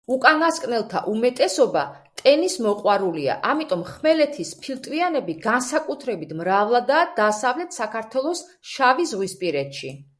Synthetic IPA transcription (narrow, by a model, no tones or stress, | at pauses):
ukʼanaskʼnɛlˠt̪ʰa̰ʔumɛt̪ʼɛsɔbat̪ʼɛnismɔqʼwaɾulia̰ʔamit̪ʼɔmχmɛlɛt̪ʰispʰilˠt̪ʼvianɛbiɡansakʼut̪ʰɾɛbit̪ʰmɾavlˠad̪ad̪̥aːsavlɛt̪ʰsakʰaɾt̪ʰwɛlˠɔs | ʃavisʁwispʼiɾɛt̪ʃi